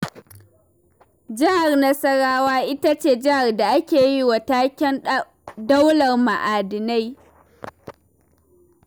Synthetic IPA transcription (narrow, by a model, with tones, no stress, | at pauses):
d͡ʒɐ˦ha˨rnɐ˦sɐ˦ɽaː˦waː˦ʔɪ˦ta˦t͡ʃeː˦˨d͡ʒɪ˦ha˨rda˨ʔa˦kʲeː˨ji˦wa˨taː˦kʲɛ˦n | da˦wlɐ˨rma˨ʔaː˨dɪ˨na˦j